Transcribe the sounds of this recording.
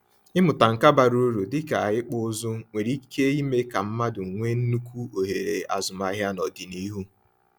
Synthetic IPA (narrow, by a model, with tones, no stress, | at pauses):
ɪ˦mʊ˨ta˨ŋ̩˨ka˦ba˨ɾu˦ɾu˨dɪ˦ka˨ɪ˦k͡pʊ˦zʊ˦ŋʷe˨ɾi˦ke˦i˦me˦ka˨m̩˦ma˦dʊ˨ŋ̩˨ŋʷe˦n̩˦nu˦kʷu˦o˨ɦe˨ɾḛ˨a̰˨zʊ˨ma˨˦ɦja˦nɔ˨dɪ˨ni˦ɦu˦